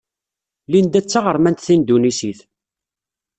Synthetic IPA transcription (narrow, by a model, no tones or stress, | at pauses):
lind̪æt͡sːaʁəɾmænt̪θind̪unisiθ